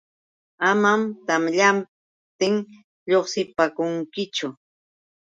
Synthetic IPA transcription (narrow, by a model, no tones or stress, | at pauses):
amamt̪amʎam | t̪ɪŋ | ʎoχsɪpakʊŋkɪt͡ʃʊ